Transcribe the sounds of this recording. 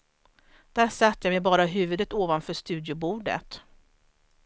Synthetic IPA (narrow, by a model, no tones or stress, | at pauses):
d̪̥æʂat̪ːəjamɛjbɑːɾaɦʉ̟ːvɵd̪ət̪oːvanfœːʂt̪ʉ̟ːd̪jʊbuːɖə̰t̪